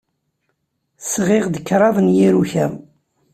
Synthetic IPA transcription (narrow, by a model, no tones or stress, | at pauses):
sʁɪʁd̪əkːɾˤɑðˤnjiɾuçæ